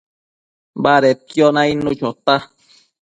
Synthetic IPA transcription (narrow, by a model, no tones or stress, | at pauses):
baɾet̪jonãinũt͡ʃot̪a